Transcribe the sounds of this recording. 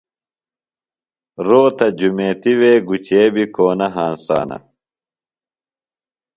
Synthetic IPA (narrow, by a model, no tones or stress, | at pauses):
ɾoːt̪ɐd͡ʑumeːt̪iweːɡut͡ɕeːbikoːnɐɦaːnsa̰ːnɐ̰